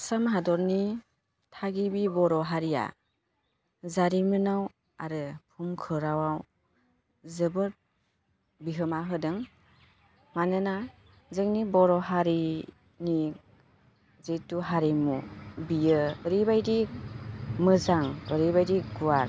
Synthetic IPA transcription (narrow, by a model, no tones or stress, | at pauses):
samɦadɔɾni | tʰaɡibibɔɾɔɦaɾija̰ | zaɾimɯnaw | aɾɯpʰumkʰɯɾawaw | zɯbɯɾ | biɦɯmaɦɯdɯŋ | manɯna | zɯŋnibɔɾɔɦaɾi | ni | zetuɦaɾimubijɯːɾibajdi | mɯzaŋəɾibajdiɡuaɾ